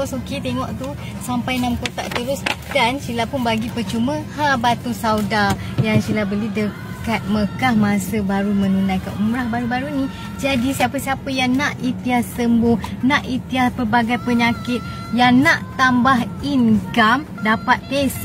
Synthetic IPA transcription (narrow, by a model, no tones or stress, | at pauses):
soket̪eŋɔʔt̪u | sampajnamkot̪a̰ʔt̪əɾʊsd̥ansilapʊnbaɡipərt͡ʃuməhabat̪usawda | jaŋsilabəlidə | kat̪̚məkahmasəbaɾumə̃nunajkaumɾahbaɾubaɾuni | d͡ʒadisiapəsiapəjaŋnaʔit̪iasəmbʊhnaʔit̪iaspərbaɡajpəɲakɪt̪̚ | jaŋnaʔt̪ambaɦinɡam | dapat̪̚pes